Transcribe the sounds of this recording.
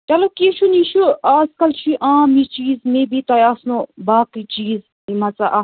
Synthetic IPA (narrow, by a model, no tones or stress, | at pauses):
tɐlokiːʃʰuniːʃuaːzkɐlt͡ʃʰiʔaːmit͡ʃiːzmẽbit̪ajaːsnobaːkit͡ʃiːz | imɐt͡saʔa